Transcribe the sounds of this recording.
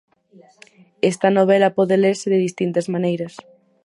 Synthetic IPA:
est̪ɐnoβ̞elɐpɔðeleɾsɪðeðist̪int̪ɐzmanejɾɐs

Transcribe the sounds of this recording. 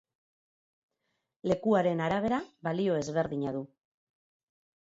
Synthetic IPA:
le̞kuaɾe̞naɾaβ̞e̞ɾaβalio̞e̞zβe̞ɾðiɲaðu

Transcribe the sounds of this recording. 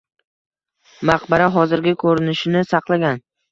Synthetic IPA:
maqbaɾaɦɒzɪɾɡʲɪkʰɵɾɪnɪʃɪnɪsɑqlˠaɡʲan

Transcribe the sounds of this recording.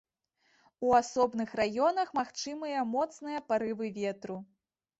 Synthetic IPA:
uasɔbnɨxɾajɔnɐxmaxt͡ʂɨmɨjɐmɔt̪snɨjɐpaɾɨvɨvʲɛt̪ɾu

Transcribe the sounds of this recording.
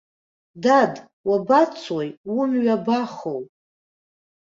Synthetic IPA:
dad | wabat͡sʰwojwumɥabaχowʼ

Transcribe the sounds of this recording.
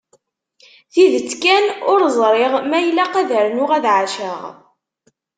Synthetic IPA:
θiðət͡sːkænʊɾzˤɾˤɪʁmæjlːæqæðəɾnʊʁæðʕaʃəʁ

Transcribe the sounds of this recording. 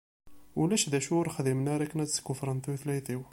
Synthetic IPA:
ulæʃðæʃuʊɾxðimnaɾˤækːənæt͡sskʊfɾˤənθuwθlæjθiw

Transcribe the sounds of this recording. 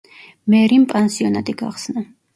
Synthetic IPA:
mɛɾimpʼansiɔnat̪ʼiɡa̰χsna

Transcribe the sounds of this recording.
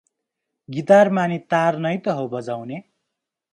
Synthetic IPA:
ɡit̪armanit̪arnʌjt̪ʌɦobʌd͡zawne

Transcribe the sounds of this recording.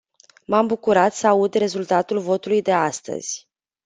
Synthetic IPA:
mambukuɾat̪səaud̪re̞zult̪at̪ulvo̞t̪ulujd̪e̞ast̪ə̰z̥ʲ

